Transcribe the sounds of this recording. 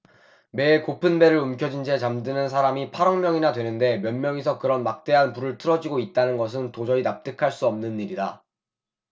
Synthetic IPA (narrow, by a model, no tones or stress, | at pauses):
me̞ːkopʰɯnbe̞ɾɯɾɯmkʰjʌd͡ʑind͡ʑet͡ɕamdɯnɯnsʰaɾamipʰaɾʌŋmjʌŋinadwe̞nɯnde̞mjʌnmjʌŋesʰʌkɯɾʌnmak̚t͈e̞ɦanpuɾɯɭtʰɯɾʌd͡ʑiɡoit̚t͈anɯnɡʌs̬ʰɯntod͡ʑʌɾinap̚t͈ɯkʰaɭs͈uʌmnɯnːiɾida